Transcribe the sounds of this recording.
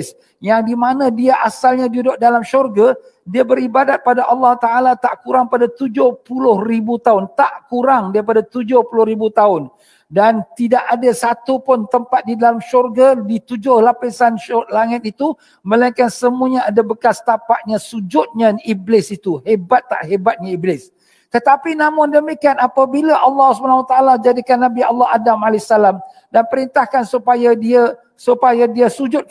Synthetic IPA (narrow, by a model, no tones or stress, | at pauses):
s | jaŋdimanãdiaʔasalɲadudʊʔ̚dalamʃurɡa | diabəɾibadat̪̚padaʔɑlːɑht̪aalat̪aʔkuɾaŋpadat̪ud͡ʒʊhpulʊhribut̪aʊnt̪aʔkuɾaŋdaɾipadat̪ud͡ʒʊhpulʊhribut̪aʊn | dant̪idaʔadasat̪upʊnt̪əmpat̪̚didalamʃɔrɡadit̪ud͡ʒʊhlapɪsanʃlaŋɪt̪̚it̪u | mə̃laiŋkansəmuaɲaadabəkast̪apaʔ̪̚ɲasud͡ʒʊt̪̚ɲãiblɪsit̪uhebat̪ːa̰ʔɦebat̪̚ɲaiblɪs | t̪ət̪apinãmʊndəmikianapabilaʔalːɑhsubanawat̪aalad͡ʒadikanːabialːɑɦadamalaasalam | danpəɾint̪ahkansupajadia | supajadiasud͡ʒʊt̪̚